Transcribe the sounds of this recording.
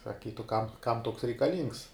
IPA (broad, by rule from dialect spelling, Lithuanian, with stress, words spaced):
sɐˈkʲiːtʊ ˈkɐm ˈkɐm ˈtoːks rʲɛɪkɐˈlʲiːŋks